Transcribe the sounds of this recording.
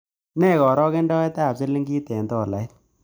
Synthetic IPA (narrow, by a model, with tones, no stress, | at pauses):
nɛ˦˨kɔ˨ɾɔ˦ke˦ndɔ˦ɛ˦ta˦˨pse˦lːe˦ŋɡiː˦tɛ˨ndɔ˦˨la˨ɪ˦t